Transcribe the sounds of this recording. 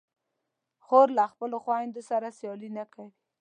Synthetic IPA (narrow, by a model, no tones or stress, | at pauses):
xoɾlaxpəloxwaand̪osaɾasjɑlinakawi